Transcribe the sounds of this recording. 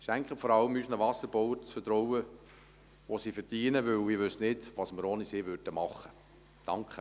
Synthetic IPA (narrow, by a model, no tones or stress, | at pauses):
ʃæŋkχəfɔɾɑləmyːsnəʋɑsəɾb̥ɔwəɾt͡sfətɾɔwə | ʋosifəɾdiːnəʋʏwɪʋʏsnɪdʋɑsməɾoːniseːʋøɾd̥əmɑχːə | d̥ɑŋkχə